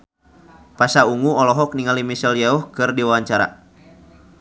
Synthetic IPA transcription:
pasauŋuɔlɔɦɔk̚niŋalimisɛljaɔhkɨrdiwawaɲt͡ʃaɾa̰

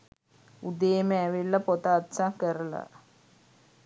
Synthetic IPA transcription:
ud̪eːməæʋilːɐpot̪aːt̪saŋkəɾəla̰

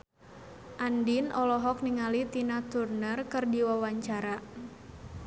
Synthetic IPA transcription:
ʔandinʔɔlɔɦɔk̚niŋalit̪inat̪urnərkɨrdiwawaɲt͡ʃaɾa

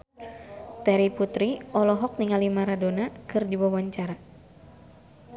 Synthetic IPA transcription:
t̪ɛɾiput̪ɾiɔlɔɦɔk̚niŋalimaɾadonakɨrdiwawaɲt͡ʃaɾa

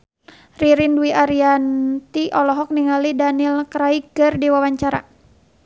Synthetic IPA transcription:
riɾinduiaɾiant̪iʔɔlɔɦɔk̚niŋalidanilkɾaiɡərdiwawaɲt͡ʃaɾa̰

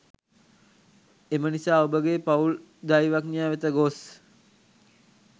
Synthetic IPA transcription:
emənisaːobəɡepaul | d̪ajʋaknijaːʋet̪əɡos

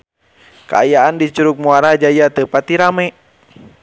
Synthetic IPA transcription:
ka̰ajaandit͡ʃuɾuk̚muaɾahd͡ʒajat̪əpat̪iɾamɛ

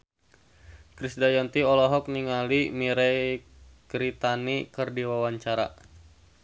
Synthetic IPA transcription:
kɾisdajant̪iɔlɔɦɔk̚niŋalimiɾɛ | ɡ̥ɾit̪anikɨrdiwawaɲt͡ʃaɾa̰

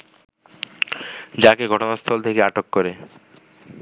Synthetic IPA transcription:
d͡ʑakeɡʱɔʈonast̪ʰɔlt̪ʰekeaʈokːoɾe

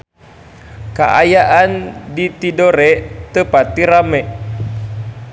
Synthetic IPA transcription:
ka̰ʔajaʔandit̪idoɾɛʔt̪əpat̪ːiɾamɛʔ

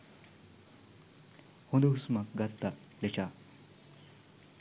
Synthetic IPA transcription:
hũnd̪usmak̚ɡat̪ːa | let͡ɕa

